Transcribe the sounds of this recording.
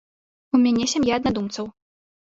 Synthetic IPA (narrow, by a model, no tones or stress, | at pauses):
umʲanʲɛsʲamjaɐd̪nad̪umt̪sɐw